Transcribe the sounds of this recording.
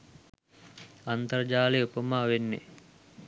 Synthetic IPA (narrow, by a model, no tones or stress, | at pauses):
ant̪ərd͡ʒaːleupəmaːʋenːḛ